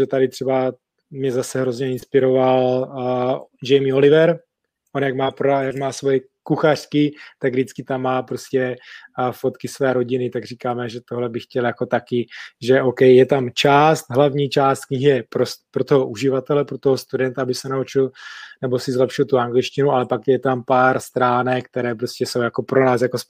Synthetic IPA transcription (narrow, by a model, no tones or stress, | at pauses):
ʒɛt̪adɪt̪r̥ɛba | mɲɛzasɛɦɾo̞zɲɛɪnspɪɾo̞val | d͡ʒɛjmɪo̞lɪvɛɾ | ʔonjakmaːpɾjaɡmaːsvo̞jɛ | kuxar̝̥kɪt̪aɡvdɪt͡skɪt̪amːaːpɾo̞scɛ | fo̞t̪kɪsvɛːɾo̞ɟɪnɪt̪aɡriːkaːmɛʒɛt̪oɦlɛbɪxcɛljako̞t̪akɪʒɛʔowkɛjjɛt̪amt͡ʃaːst̪ɦlavɲiːt͡ʃaːst̪kɲɪɦɪjɛpɾospɾo̞t̪oɦoʔuʒɪvat̪ɛlɛpɾot̪oɦost̪udɛnt̪aabɪsɛnaut͡ʃɪlnɛbosɪzlɛpʃɪlt̪uaŋɡlɪt͡ʃcɪnualɛpakjɛt̪ampaːɾst̪ɾaːnɛkkt̪ɛɾɛːpɾo̞scʲɛso̞wjakopɾo̞naːsjakos